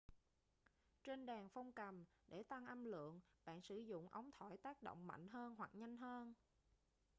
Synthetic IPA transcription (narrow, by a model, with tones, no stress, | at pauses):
t͡ɕe˧nɗaː˨˩ŋfɔ˧wŋ͡mkə˨˩mɗe˧˩t̪a˧ŋʔə˧mlɨ̰˧˨əŋɓa̰ː˧˨nsɨ˧˩˦zʊ̰˧˨ŋ͡mʔə˨˦wŋ͡mt̪ʰɔ˧˩jt̪aː˦˥k̚ɗo̰˧˨wŋ͡mma̰˧˨jŋ̟ɦəː˧nɦwa˨˩k̚ɲa˧jŋ̟ɦəː˧n